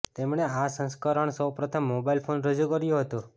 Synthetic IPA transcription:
t̪emɳeasə̃nskəɾəɳsəwpɾət̪ʰəmːobailpʰonɾəd͡ʒukəɾjũɦət̪ũ

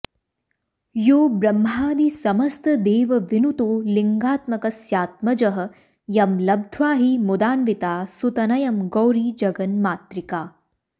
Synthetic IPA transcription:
joːbɾɐmɦaːd̪isɐmɐst̪ɐd̪eːʋɐʋinut̪oːlɪŋɡaːt̪mɐkɐsjaːt̪̚mɐd͡ʒɐɦɐ̆ | jɐmlɐb̚d̪ʱʋaːɦimud̪aːnʋɪt̪aːsut̪ɐnɐjɐmɡoːɾiːd͡ʒɐɡɐnmaːt̪ɾɪkaː

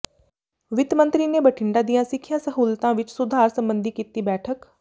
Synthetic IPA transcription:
ʋɪt̪mə̃nt̪ɾiːneːbəʈʰɪɳɖaːd̪ijãːsɪkʰːɪjãːsəɦuːlt̪ãːʋɪt͡ʃsʊd̪ʱaːɾsə̃mbənd̪ʱiːkiːt̪iːbɛːʈʰək

